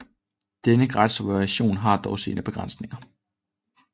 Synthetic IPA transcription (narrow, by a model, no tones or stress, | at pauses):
d̥enəɡ̥ʁɑd̥sobæɕo̝̰ːnɦɑ̈d̥ɒʊsḭːnʔəb̥e̝ɡ̥ʁɑn̰sne̝ŋɐ